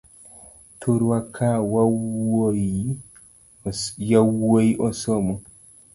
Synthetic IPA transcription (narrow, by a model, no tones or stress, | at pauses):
tʰuɾwakʰːawa | jawːojʔɔsɔmɔ